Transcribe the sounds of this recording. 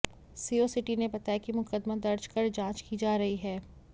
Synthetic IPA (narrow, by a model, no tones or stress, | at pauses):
siːosɪʈinebɐt̪akimʊkəd̪mad̪ɐɾd͡ʒkəɾd͡ʒãːt͡ʃkid͡ʒaːɾɐɦiɦɛː